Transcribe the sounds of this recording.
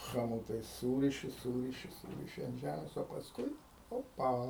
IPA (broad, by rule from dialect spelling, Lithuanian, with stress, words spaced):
ˈxɑːmoːtɐɪs ˈsuːrʲɪʃʲɪ ˈsuːrʲɪʃʲɪ ˈsuːrʲɪʃʲɪ ɐnt ˈʒʲæmʲeːs oː pɐsˈkʊɪ ˈoːpɐ